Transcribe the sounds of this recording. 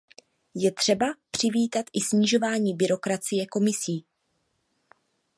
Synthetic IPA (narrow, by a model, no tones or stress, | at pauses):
jɛt̪r̝̥ɛbapr̝̥ɪviːt̪at̪ʔɪsɲɪʒo̞vaːɲiːbɪɾo̞kɾat͡sɪjɛko̞mɪsiː